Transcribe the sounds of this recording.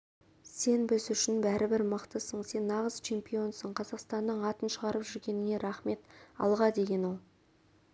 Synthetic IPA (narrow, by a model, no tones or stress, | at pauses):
se̞nbɪzʏʃɪnbæɾʔɪbɪɾməqt̪əsəɴse̞nːɑʁəz̥t͡ʃʰe̞mpio̞nsəɴqʰɑzɑqst̪ɑnːəɴɑt̪ənʃəʁɑɾəpʒʏɾɡʲe̞nɪŋe̞ɾɑχme̞t̪ɑ̰lˠʁɑd̪e̞ɡʲe̞nwolˠ